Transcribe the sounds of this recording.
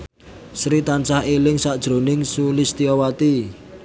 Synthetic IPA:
sɾit̪ant͡ʃahelɪŋsaʔd̥ʒ̥ɾo̤nɪŋsulist̪iɔwat̪i

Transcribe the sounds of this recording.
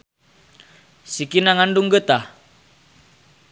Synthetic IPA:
sikinaŋanduŋɡət̪a

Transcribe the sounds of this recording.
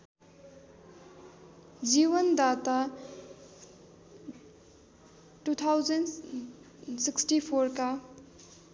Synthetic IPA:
d͡ʒiwənd̪at̪a | ʈut̪ʰawzɐn | siksʈipʰoɾka

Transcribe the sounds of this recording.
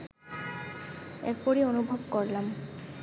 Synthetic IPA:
ɛ̰ɹpɔɹionubʱɔbkɔɹlam

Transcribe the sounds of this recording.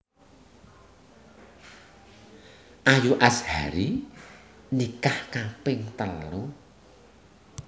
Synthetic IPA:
ʔajuʔasha̰ɾi | nikahkapɪŋt̪əlu

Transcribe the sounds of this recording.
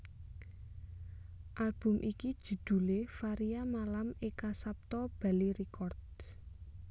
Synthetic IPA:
ʔalb̥ʊ̤mʔikid̥ʒ̥ṳd̪̥ṳlefaɾiamalamekasap̚t̪ɔb̥a̤liɾikɔrd̪̚

